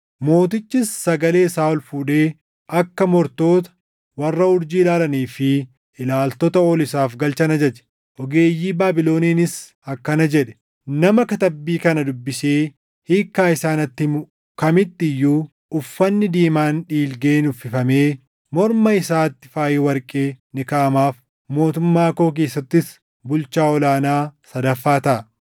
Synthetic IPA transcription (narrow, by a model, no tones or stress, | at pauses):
mo̞ːt̪ɪt͡ʃːɪsːɐɡɐle̞ːsaːɔlfuːᶑe̞ː | ɐkːɐmɔɾt̪o̞ːt̪ɐ̥ | wɐrːɐʊɾd͡ʒiːlaːlɐniːfɪ | ɪlaːlt̪ɔt̪ɐoːlɪsaːfɡɐlt͡ʃɐnɐd͡ʒɐt͡ʃɛ̥ | ʔɔɡe̞ːjːiːbaːbɪlo̞ːniːnɪs | ɐkːɐnɐd͡ʒɛᶑɛ̥ | nɐmɐkɐt̪ɐbːiːkɐnɐd̪ʊbːɪseː | hiːkːaːɪsaːnɐt̪ːɪmʊ | kɐmɪt̪ːɪjːuː | ʊfːɐnːɪd̪iːmaːnᶑiːlɡe̞ːnʊfɪfɐme̞ː | mɔɾmɐɪsaːt̪ːɪ̥faːjeːwɐɾkʼe̞ːnɪkaʔɐmaːf | mo̞ːt̪ʊmːaːko̞ːk̬e̞ːsːɐt̪ːɪs | bʊlt͡ʃaːɔlaːnaːsɐd̪ɐfːaːt̪ɐʔɐ